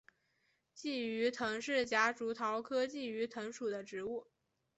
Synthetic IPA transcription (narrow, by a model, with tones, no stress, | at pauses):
t͡ɕi˥˩y˧˥t̪ʰɤ˧˥ŋʂɻ̩˥˩t͡ɕja˧˥ʈ͡ʂu˧˥t̪ʰɑ˧˥ʊkʰɤ˥t͡ɕi˥˩y˧˥t̪ʰɤ˧˥ŋʂu˨˩d̪ə˦ʈ͡ʂɻ̩˧˥u˥˩